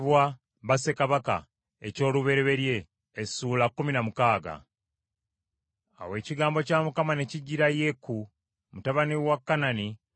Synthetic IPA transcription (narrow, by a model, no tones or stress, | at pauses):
βwa | βase̞kaβaka̰ | e̞̰co̞ːluβe̞ɾeβe̞ɾje̞ː | suːlakːuminamukaːɡa̰ | a̰we̞ːciɡaːmbo̞caːmukamane̞ciɟːiɾajekːu | mutaβaniwakːanani